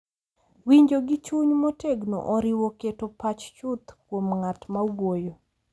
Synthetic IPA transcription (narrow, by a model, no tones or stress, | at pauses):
wiɲd͡ʒoɡɪt͡ʃuɲmoteɡno̰ʔɔɾɪwoketopat͡ʃt͡ʃʊt̪kwomŋatmaɡwojo